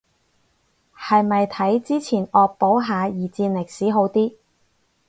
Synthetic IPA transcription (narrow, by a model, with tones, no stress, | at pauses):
hɐ˨jmɐ˨jt̪ʰɐ˨˥jt͡siː˥t͡sʰiː˨˩nɔː˨k̚po˨˥wɦaː˨˧jiː˨˩t͡siː˧nlɪ˨˩k̚siː˨˥ɦo˨˥wt̪iː˥